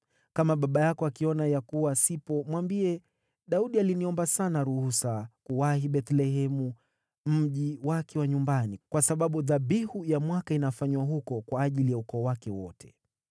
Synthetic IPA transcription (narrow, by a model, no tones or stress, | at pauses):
kamaɓaɓajakɔakiɔnajakuwasipɔmwambiɛ | ɗauɗialiniɔmbasanaɾuhusakuwahiɓɛt̪lɛɦɛmu | m̩ʄiwakɛwaɲumbanikwasaɓaɓuðaɓihujamwakainafaɲwaɦukɔkwaːʄilijaukɔːwakɛwɔtʰɛ̥